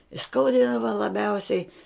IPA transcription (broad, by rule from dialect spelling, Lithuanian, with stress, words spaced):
ɪ ˈskɐʊdʲiːdɐʋɐ lˠɐˈbʲɛʊsʲɛɪ